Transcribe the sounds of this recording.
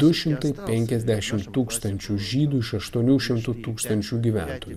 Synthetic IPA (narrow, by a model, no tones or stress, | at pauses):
d̪̥ʊʃʲɪmt̪ɐɪpʲɛŋʲkʲɛzʲd̪ʲæʃʲɪmt̪uːkst̪ɐnʲt͡ʃʲuːʒʲiːd̪uːɪʃɐʃt̪uɔnʲuːʃʲɪmt̪uːt̪uːkst̪ɐnʲt͡ʃʲuːɡʲiːʋʲæ̰ˑnt̪oːjuː